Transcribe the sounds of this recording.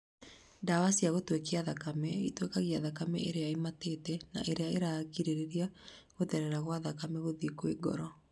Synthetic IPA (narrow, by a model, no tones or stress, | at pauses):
dawasiaɣotwekeaðakamɛitwekaɣiaðakamɛ̰ʔeɾeaematetɛna̰ʔeɾeaeɾakiɾeɾeɾiaɣoðɛɾɛɾaɣwaðakamɛɣoðikweɡɔ̰ɾɔ